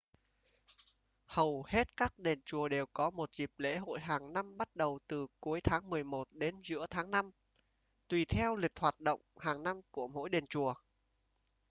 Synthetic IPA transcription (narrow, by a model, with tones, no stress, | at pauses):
hə˨˩whe˦˥t̚kaː˦˥k̚ɗe˨˩nt͡ɕu˨˩əɗe˨˩wkɔ˨˦mo˨˩t̚zi˨˩p̚lḛ˧˥ɦo̰˧˨jɦaː˨˩ŋna˧mɓa˦˥t̚ɗə˨˩wt̪ɨ˨˩ku˨˦əjt̪ʰaː˨˦ŋmɨ˨˩əjmo˨˩t̚ɗe˨˦nzɨ̰˧˥ət̪ʰaː˨˦ŋna˧m | t̪wi˧˩t̪ʰɛ˧wlï˨˩k̟̚hwaː˨˩t̚ɗə̰˧˨wŋ͡mhaː˨˩ŋna˧mku˧˩əmo̰˧˥jɗe˨˩nt͡ɕu˨˩ə